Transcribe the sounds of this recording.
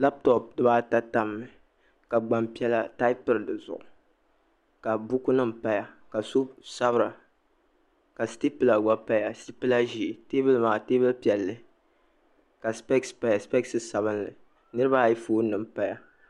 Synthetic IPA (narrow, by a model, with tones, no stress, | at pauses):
la˦p̚tɔ˨p̚dɨ˦ba˦ta˦ta˦mːɨ˨ | ka˨ɡ͡ba˨mpi˦ɛ˦la˦ta˦ɪ˦pɨ˦ɾɨ˨dɨ˨zʊ̰˨ʔʊ˨ | ka˨bu˦ku˦nɨ˦m̩˨pa˦ja˦ka˨so˦sa˦bɨ˦ɾa˨ | ka˨sti˦pɨ˦la˨ɡa˦pa˦ja˨sti˦pɨ˦la˦ʒi˦˨te˦bɨ˦lmaː˨teː˦bɨ˦lpi˨ɛ˨lːɨ˨ | ka˨spɛ˦kspa˦ja˨spɛ˦ksɨ˦sa˨βɨ˦nlɨ˨ | nɨ˦ɾɨ˦ba˦˨ji˦foː˦nɨ˨m̩˨pa˦ja˦